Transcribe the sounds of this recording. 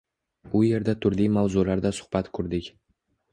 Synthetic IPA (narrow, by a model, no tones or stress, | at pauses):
ʊje̞ɾd̪at̪ʰʊɾlijmawzulaɾd̪asʊ̥hb̥at̪kʰʊɾd̪ɪkʲ